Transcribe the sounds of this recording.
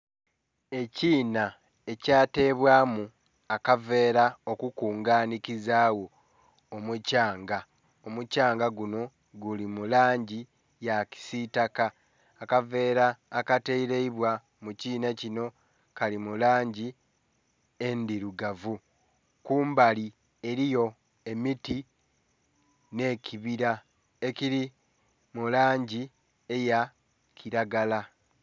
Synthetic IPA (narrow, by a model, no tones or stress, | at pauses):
e̞ciːna | e̞caːte̞ːβwaːmu | akave̞ːɾao̞kukuːŋɡaːnikizaːwo̞ː | mucaːŋɡa | omucaːŋɡaɡuno̞ | ɡulimulaːɲɟi | jaci̥sitakaː | kave̞ːɾaːkateiɾeiβwa | muciːnacino̞ | kalimulaːɲɟi | endiɾuɡavu | kuːmbali | e̞ɾijo̞ | e̞miti | ne̞cʰiβiɾa | e̞ciɾi | mulaːɲɟi | e̞ja | kʰiɾaɡala